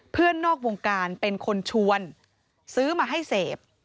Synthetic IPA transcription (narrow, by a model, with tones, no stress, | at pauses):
pʰɯ˥˩ənːɔː˥˩k̚woː˧ŋkaː˧npe˧nkʰo˧nt͡ɕʰu˧ən | sɯː˦˥maː˧ɦa˥˩jseː˨˩p̚